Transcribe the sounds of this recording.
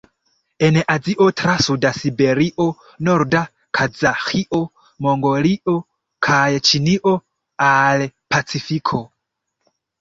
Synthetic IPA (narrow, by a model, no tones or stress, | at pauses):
enʔad͡ziʔotɾasudasibeɾiʔo | noɾda | kʰad͡zaxiʔo | moŋɡoliʔo | kʰajt͡ʃiniʔo̞ | alpʰat͡sifikʰo